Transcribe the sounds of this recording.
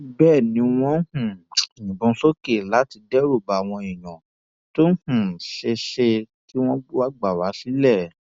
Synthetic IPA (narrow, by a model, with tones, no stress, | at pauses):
bɛː˦˨nĩ˨˦w̃ɔ̃˦hũ˨nĩ˨bũ˧˦so˦ke˨la˨˦ti˧dɛ˦ɾo˦˨ba˨w̃ɔ̃˧ĩ˨jã˨ | to˦hũ˨ʃe˧ʃe˧ | ki˦w̃ɔ̃˦ɡ͡bwa˦ɡ͡ba˨wa˨˦si˨˦lɛ˦˨